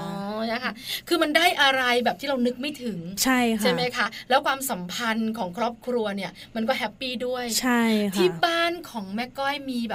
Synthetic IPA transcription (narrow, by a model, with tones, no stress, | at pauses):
ɔ˦nʰa˦˥˩kʰa˥˩kʰɯː˧ma˧nda˥˩jʔa˧ɾa˧jbɛː˨˩p̚t̪ʰiː˥˩ɾa˧wnɯ˦˥k̚ma˥˩jt̪ʰɯ˩˦ŋt͡ɕʰa˥˩jkʰa˥˩ma˦˥jkʰa˦˥˩lɛː˦˥wkʰwaː˧msa˩˦mpʰa˧nkʰɔː˩˦ŋkʰɾɔː˥˩p̚kʰɾu˧ɐni˥˩ɐ | ma˧nkɔː˥˩ɦɛ˦˥pːiː˥˩du˥˩əjt͡ɕʰa˥˩jkt̪ʰiː˥˩baː˥˩nkʰɔː˩˦ŋmɛ˦˥kːɔ˥˩jmiː˧bɛː˨˩